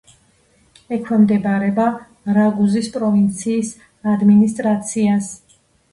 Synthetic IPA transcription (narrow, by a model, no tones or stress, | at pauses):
ɛkʰwɛmd̪ɛbaɾɛba | ɾaɡuzispʼɾɔvint̪sʰiːs | ad̪minist̪ʼɾat̪sʰias